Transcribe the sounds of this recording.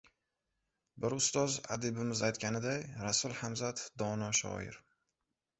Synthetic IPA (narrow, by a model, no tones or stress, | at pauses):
bɪɾʊst̪ɒza̰d̪ɪbɪmɪzajt̪kʲanɪd̪ajɾasʊlˠhamzat̪d̪ɒnɒʃɒ̰ɪ̰ɾ